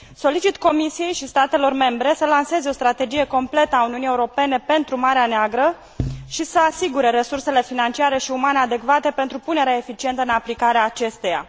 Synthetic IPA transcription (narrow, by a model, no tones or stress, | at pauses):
so̞lit͡ʃit̪ko̞misije̞jʃist̪at̪e̞lo̞rme̞mbɾe̞səlanse̞zeo̞st̪ɾat̪e̞d͡ʒije̞ko̞mple̞t̪əauniunije̞uɾo̞pe̞ne̞pe̞nt̪ɾumaɾeaneaɡɾə | ʃisəasiɡuɾe̞ɾe̞surse̞le̞finant͡ʃiaɾe̞ʃiumane̞ad̪e̞kvat̪e̞pe̞nt̪ɾupune̞ɾeaefit͡ʃie̞nt̪əɨnaplikaɾeaːt͡ʃe̞st̪eja̰